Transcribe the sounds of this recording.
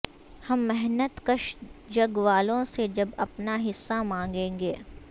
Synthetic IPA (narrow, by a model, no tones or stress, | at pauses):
hɐmːɛɦnət̪kəʃd͡ʒɐɡʋaːlõsed͡ʒɐbɐpnaɦɪsːamãːŋɡẽːŋɡeː